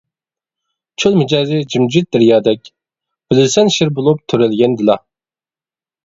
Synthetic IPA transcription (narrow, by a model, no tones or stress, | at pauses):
t͡ʃʰolˠmɪd͡ʒɑːzɪd͡ʒimd͡ʒit̪̚d̪ɪɾjɑːd̪ɛkʲ | b̥ɪlɪsɛnʃɪɾbolˠup̚t̪ʰyɾɛlɡʲɛnd̪ɪlɑ